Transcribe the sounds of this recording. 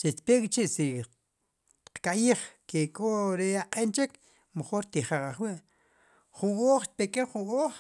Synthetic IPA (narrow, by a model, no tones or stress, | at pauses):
t͡ʃet̪pekʼit͡ʃiʔsi | qkaʔjiːχkekʼoʔɾeaqʼent͡ʃek | meχoːɾt̪iχaχaχwiʔ | χuŋʔoːχt̪̚pekeχuŋʔoːχ